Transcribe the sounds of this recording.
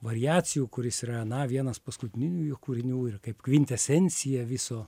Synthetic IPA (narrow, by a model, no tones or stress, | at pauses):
ʋɐɾʲɪjæːt͡ssʲɪjuːkʊɾʲɪsiːɾɐnɐʋʲiɛnɐspɐskʊt̪ʲɪnʲɪnʲuːjokuːɾʲɪnʲuːɪrkɐɪpkʋʲɪnʲt̪ʲɛsʲɛnʲsʲɪjɛʋʲɪsoː